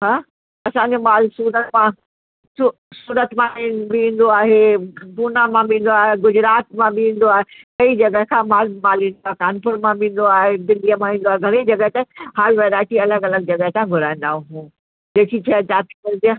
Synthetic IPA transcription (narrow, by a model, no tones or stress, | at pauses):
ɦaː | ɐsãɲd͡ʑomaːlsuːɾət̪mã | su | suːɾət̪mãbĩːn̆d̪oaːɦepuːnamãbĩːn̆d̪oaːɦeɡʊd͡ʑɾaːt̪mãbɪĩːn̆d̪oaːɦekɐid͡ʑɐɡəɦkʰãmaːlmaːlʋĩːnd̪oaːɦekaːnpʊɾmãbĩːn̆d̪oaːɦed̪ɪlijəmãʋĩːn̆d̪oaːɦeɡʱɐɾid͡ʑɐɡəɦt̪ehaːlʋeːɾaːɪʈiɐləɡɐləɡ̚d͡ʑɐɡəɦt̪ãɡʱʊɾaːĩn̆d̪aːɦũɦũː | d͡ʑeːkʰit͡ɕʰɐt͡ɕaːt̪ikɐlt̪ia